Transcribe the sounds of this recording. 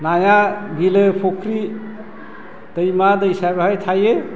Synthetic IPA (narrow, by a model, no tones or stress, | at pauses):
najaɡilɯpʰokʰɾi | d̥əjmadəjsajbaɦajtʰaje